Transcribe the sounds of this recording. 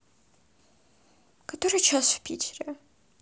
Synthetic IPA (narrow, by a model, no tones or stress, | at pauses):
katʰoɾɨjt͡ʃʰasvpʲʰitʲʰɪrʲe